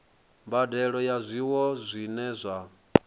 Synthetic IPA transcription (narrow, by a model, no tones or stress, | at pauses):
mbadɛɺɔjazʷiwɔzʷinɛzʷa